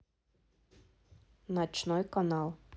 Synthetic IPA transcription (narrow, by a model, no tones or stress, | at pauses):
nat͡ʃnɔjkanalˠ